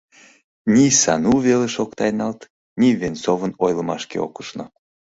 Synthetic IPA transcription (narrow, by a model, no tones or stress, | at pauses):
nʲisɑnuveleʃokt̪ɑjnɑlt̪ | nʲivensovənojləmɑʃkḛo̰kə̥ʃno